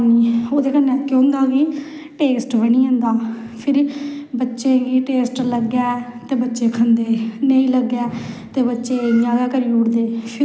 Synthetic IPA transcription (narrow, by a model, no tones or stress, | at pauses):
niːoːd̪eːkənːɛːkːʊ̃nd̪aːɡiː | ʈeːsʈʋənĩːɦə̃nd̪aː | pʰɪɾbətːʃeːɡiːʈeːsʈləɡɛːt̪eːbətːʃeːkʰənd̪eːnəĩːləɡːɛːt̪eːbətːʃeːãːɡɛːkəɾiːʊɽd̪eːpʰ